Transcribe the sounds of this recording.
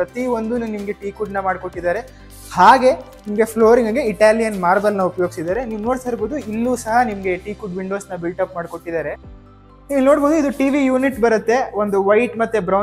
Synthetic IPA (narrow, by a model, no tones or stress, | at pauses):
pɾɐt̪io̞nd̪unnimɐɡe̞ʈiːkuɖnɐmaːɖko̞ʈːid̪aːɾe̞ | haːɡe̞ | nimɐɡe̞pʰloːɾiŋɡɐɡe̞iʈaːlijɐnmaːɾbɐlnɐupɐjoɡisid̪aːɾe̞niːʋno̞ːɽt̪ʰɐɾboːd̪uilːuːsɐɦɐnimɐɡe̞ʈiːkuɖʋiɳɖo̞ːsnɐbilʈɐpmaːɖko̞ʈːid̪aːɾe̞ | niːʋno̞ːɽboːd̪uid̪uʈiːʋijuːniʈbɐɾɐt̪ːe̞o̞nd̪uʋɐjʈmɐt̪ːebɾɐw